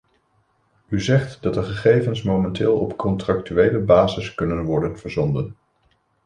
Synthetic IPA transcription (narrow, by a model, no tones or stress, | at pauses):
yzɛχtdɑt̚dəχəχejvənsmowmɛntɪːlˠɔpkɔntrɑk̚tyʋejləbaːzɪskɵnənʋɔɹdənv̥əɹzɔndən